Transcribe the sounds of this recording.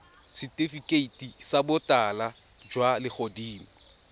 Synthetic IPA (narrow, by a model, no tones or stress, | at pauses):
sɪtʼifikʼeitʼisabʊtʼala | d͡ʒwalɪk͡xʰodiːm̩